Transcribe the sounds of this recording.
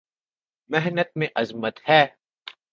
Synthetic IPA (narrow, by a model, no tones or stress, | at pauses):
mɛɦnət̪̚mẽʔɐzmət̪hɛː